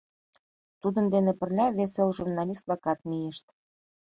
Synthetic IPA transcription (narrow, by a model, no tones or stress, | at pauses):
t̪ud̪ə̆nd̪enepə̆rlʲɑβeselʒurnɑlʲist̪̚lɑkɑt̪̚mijeʃt̪